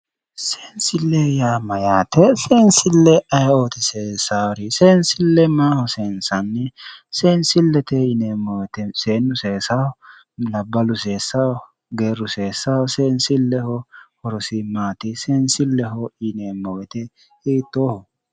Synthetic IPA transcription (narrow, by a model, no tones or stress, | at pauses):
seːnsɪlːejaːmɐjaːt̪ɛseːnsɪlːɛʔɐjoːt̪ɪseːsaːwɾɪseːnsɪlːɛmaːhɔseːnsɐnːɛseːnsɪlːɛt̪ɛɪneːmːɔwɛt̪ɛseːnːʊseːsɐhɔ | lɐbːɐlʊseːsːɐwɔ | ɡeːɾʊseːsɐwɔseːnsɪlːɛhɔhɔɾɔsɪmaːt̪ɪseːnsɪlːɛɦɔɪneːmːɔwɛt̪ɛ | hiːt̪ːoːhɔ